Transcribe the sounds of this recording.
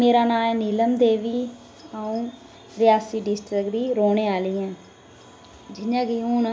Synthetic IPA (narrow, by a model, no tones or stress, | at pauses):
meːɾaːnaːɛːniːləmd̪eːʋiː | aːũː | ɾɪjaːsiːɖɪsʈɾɪkd̪iːɾoːneːaːlɪːɛ̃ː | d͡ʒɪɲãːɡiːɦuːn